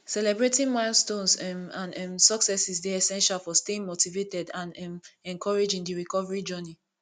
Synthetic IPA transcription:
sɛlɛbɹetĩŋmãɪlstõnsɛãnɛmsɔksɛsisdeɛsɛ̃nʃalfɔsteĩŋmotivetɛdãnɛmɛ̃ŋkʰɔɹed͡ʒĩŋdiɹikɔvaɹid͡ʒɔni

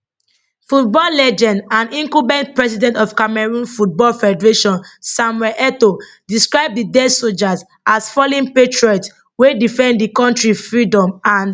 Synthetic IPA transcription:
fut̚bɔllɛd͡ʒɛ̃ndãnĩŋkubɛ̃ntpɹɛsidɛ̃ntɔfkamɛɹũnfut̚bɔlfɛdɛɹeʃɔ̃nsamwɛlʔɛto | diskɹaɪb̚didɛdsold͡ʒaz | asfɔlĩnpetɹɔt | wedifɛ̃ndikɔ̃ntɹifɹidɔ̃mãn

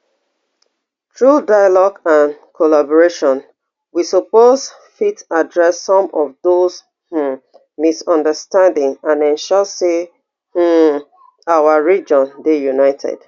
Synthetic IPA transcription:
tʰɹudajalɔɡãnkʰɔlabɔɹeʃɔ̃n | wisopoz | fitadɹɛsːɔ̃mɔvðoz | h̩ | misɔ̃ndəstãndɪ̃ŋãnɛ̃nʃɔse | h̩ | awəɹid͡ʒɔ̃ndejunaɪtʰɛ̰d̥

